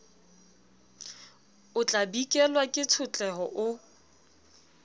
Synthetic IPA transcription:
ʊt͡ɬʼabikʼɛlwakʼɪt͡sʰʊt͡ɬʼɛɦɔʔʊ

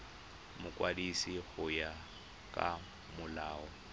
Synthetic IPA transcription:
mʊkʼwadisiɣʊja | kʼa | mʊlaːɔ

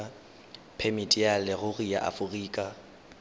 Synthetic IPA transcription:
pʰemitʼijalɪɣʊriaʔa̰fʊriːkʼa

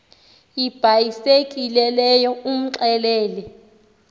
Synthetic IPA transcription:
jib̥ʱajisek̬ʼilɛlɛjɔum̩ǁɛlɛːlɛ

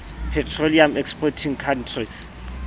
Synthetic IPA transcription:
pʰɛtʰroliamɛkspʰɔtʰiŋkʰantʰris

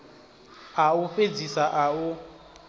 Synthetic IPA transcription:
aufed͡zisaʔau

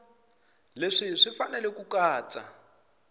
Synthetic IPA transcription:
leʂiʂifanɛlɛkukaːt͡sʼa̰

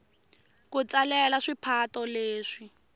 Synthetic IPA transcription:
kut͡salɛlaʂipʰatɔleːʂi

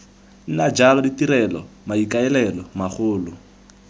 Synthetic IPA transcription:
n̩nad͡ʒalɔditiɾɛlɔ̰maikaɛlɛlɔmaχʊːlʊ

